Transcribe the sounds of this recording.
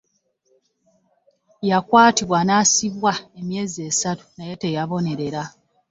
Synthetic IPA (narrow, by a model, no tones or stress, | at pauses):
jakwaːtiβwanaːsiβwae̞mje̞ːziesatu̥naje̞te̞jaβo̞ne̞ɾe̞ɾa